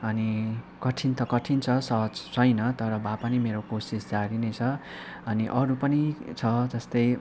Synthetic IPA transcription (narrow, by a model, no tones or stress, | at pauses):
ʌni | kʌʈʰint̪ʰʌkʌʈʰint͡sʰʌsʌɦʌd͡zsʌjnʌt̪ʌɾʌbʱapʌnimeɾokosisd͡zaɾinʌjt͡sʰʌ | ʌniʔʌɾupʌnit͡sʰʌd͡zʌst̪ʌj